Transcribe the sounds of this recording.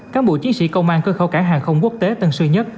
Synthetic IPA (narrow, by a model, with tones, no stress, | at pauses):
kaː˦˥k̚ɓo̰˧˨t͡ɕi˨˦ənsḭ˧˥˨kə˧wŋ͡mʔaː˧nkəː˧xə˧˩wkaː˧˩ɦaː˨˩ŋxə˧wŋ͡mku˦˥ək̚t̪e˨˦t̪ə˧nsɨ˧ɲə˦˥t̚